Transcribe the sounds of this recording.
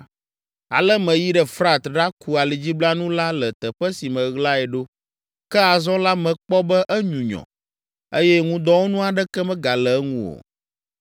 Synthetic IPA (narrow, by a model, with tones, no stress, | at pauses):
a̰˨lɛ˦mɛ̃˨ji˦ɖɛ˦fɾa˦t̪ɖa˦ku˦a˨li˨d͡ʑi˦bla˦nũ˦la˦lɛ˨t̪ɛ˨ɸɛ˦si˨mə̃˨ɣla˦ɛ˨ɖo˦ | kɛ˦a˨zɔ̃˦la˦mɛ̃˨k͡pɔ˦bɛ˦ʔɛ˦ɲũ˨ɲɔ̰̃˨ | e˦jɛ˦ŋũ˦d̪ɔ˦wo˦nũ˦a˨ɖɛ˦kɛ˦mɛ̃˦ɡa˨lɛ˨˦ŋũ˦wo̰˨